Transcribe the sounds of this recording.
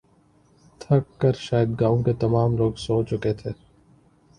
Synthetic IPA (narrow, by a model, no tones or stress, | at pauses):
t̪ʰɐkːəɾʃaːjəd̪ɡaːʋõket̪ɐmaːmloːɡsoːt͡ʃʊket̪ʰeː